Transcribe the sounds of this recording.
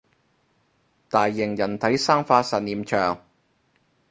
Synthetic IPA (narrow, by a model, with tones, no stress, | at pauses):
t̪aː˨˩jːɪ˨˩ŋjɐ˨˩nt̪ʰɐ˨˥jsaː˥ŋfaː˧sɐ˨˩t̚niː˨mt͡ʃʰœː˨˩ŋ